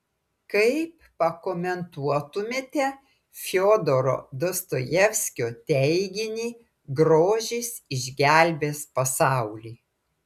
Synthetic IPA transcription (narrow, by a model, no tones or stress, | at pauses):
kɐɪp | pɐkɔmʲɛnt̪uɔt̪ʊmʲeːt̪ʲɛ | fʲɪoːd̪oɾo̰ːd̪ost̪oːjɛfʲsʲkʲoːt̪ʲɛɪɡʲɪnʲiː | ɡɾoːʒʲiːsɪʒʲɡʲælʲbʲeːspɐsɑˑʊlʲiː